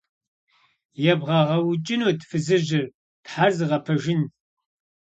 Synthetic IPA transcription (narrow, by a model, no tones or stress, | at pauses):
jɛbʁɐʁɐwʊt͡ʃʼɪnoːtfɨzɨʑɪr | tħazɨʁɐpʰɐʒɪn